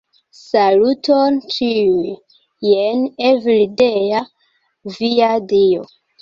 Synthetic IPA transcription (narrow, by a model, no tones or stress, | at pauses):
salutont͡ʃiu | jenevilideja | viadio